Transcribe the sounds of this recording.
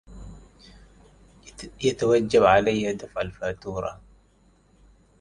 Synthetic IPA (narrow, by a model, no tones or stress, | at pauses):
jat̪awad͡ʒːabʕalajːad̪afʕalfaːt̪uːɾˤɑ̰